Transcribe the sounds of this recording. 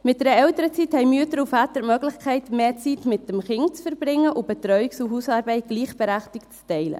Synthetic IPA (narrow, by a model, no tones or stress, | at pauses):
mɪt̚d̥ɛːɾəɛltəɾət͡sithɛɪmyətəɾufɑːt̪əɾmœɡlɪχkχɛɪtmeːt͡sitmɪt̚ːəmχɪŋt͡sfəɾb̥ɾɪŋːəʔʊb̥ɛt̪ɾœʏɥiksuɦuːsɑːɾbɛɪt̚ɡ̥liːχb̥əɾæχtɪkt͡stɛɪlə̰